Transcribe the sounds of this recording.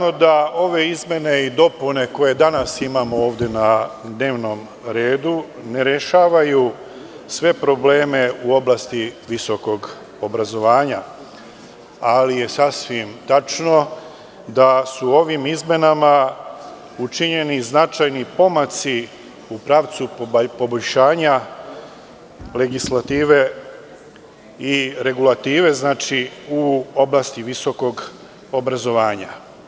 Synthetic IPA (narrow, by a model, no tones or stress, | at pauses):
nod̪ao̞ʋe̞izmʲje̞ne̞id̪o̞pune̞ko̞je̞d̪anasimaːmo̞oːʋd̪e̞nad̪ne̞ːʋno̞m | ɾe̞ːd̪u | ne̞ɾeʃaːʋaju | sʋe̞pɾo̞ble̞ːme̞uo̞blˠast̪iʋiso̞ko̞ɡ | o̞bɾazo̞ʋaːɲa | alije̞sasʋimt̪at͡ʃno̞ | d̪asuo̞ʋimizme̞nama | ut͡ʃiɲe̞niznat͡ʃajnipo̞mat̪si | upɾaːʋt̪supo̞bo̞ʎʃaːɲa | le̞ɡislat̪iːʋe̞ | iɾe̞ɡulat̪iːʋe̞znaːt͡ʃiuo̞blˠast̪iʋiso̞ko̞ɡ | o̞bɾazo̞ʋaːɲa̰